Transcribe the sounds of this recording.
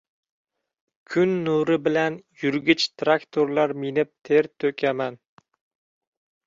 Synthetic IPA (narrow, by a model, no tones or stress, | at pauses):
kʲʰʊnːuɾɪbɪlanjʊɾɡʲɪt͡ʃt̪ʰɾakt̪ʰoɾlaɾmɪnɪp̚t̪ʰe̞ɾt̪ʰɵkʲʰaman